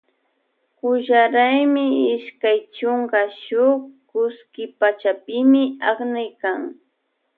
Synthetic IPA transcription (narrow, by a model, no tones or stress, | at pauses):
kʊʒaɾajmɪɪʃkajt͡ʃoŋkaʃʊkʊskɪpat͡ʃapɪmɪɑχnɪjkaŋ